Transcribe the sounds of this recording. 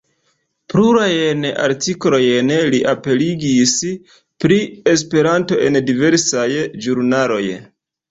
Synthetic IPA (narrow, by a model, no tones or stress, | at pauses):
pluɾajena̰ɾtiklo̞jenliʔape̞liɡis | pɾie̞s̬pe̞ɾanto̞ʔe̞ndive̞ɾsajd͡ʒuɾnalo̞̰j